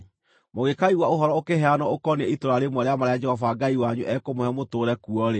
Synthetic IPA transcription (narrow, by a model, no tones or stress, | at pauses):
moɣekaiwaoɦɔɾɔokeɦɛanɔokɔneɛitoɾaɾemwɔɾeamaɾajad͡ʒɛhɔfaɡaiwaɲuʔɛkomohɛmotoːɾɛkuɔɾe